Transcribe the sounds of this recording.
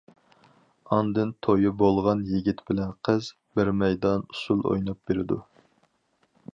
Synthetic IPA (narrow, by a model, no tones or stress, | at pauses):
ɑnd̪ɨnt̪ʰojɨbolˠʁɑnjeɡʲit̪bɪlɛnqʰəz | bɪɾmɛjd̪ɑnusulˠo̰jnɑp̚beɾɪd̪u